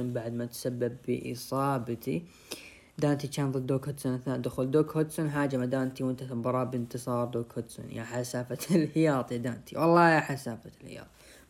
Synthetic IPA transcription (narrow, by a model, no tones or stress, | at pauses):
ʊnbaʕd̪mat̪sabːɪbːə̰ʔɨ̰sˤɑːbat̪ʰḭ | d̪aːnt̪it͡ʃaːnðˤɨd̪ːoːkhʊd̪sʊnaθad̪ʊxʊld̪oːkhʊd̪sʊnħaːd͡ʒamad̪aːnt̪iwɪnt̪at̪bɑɾˤɑːbɪnt̪ɨsˤɑːɾˤd̪oːkhʊd̪sʊ̰nja̰ːħasaːfalħɪjɑːt̪ˤid̪aːnt̪ʰiwɑlˤːɑːjaħasaːfalhɪ̰jɑ̰ːt̪ˤi̥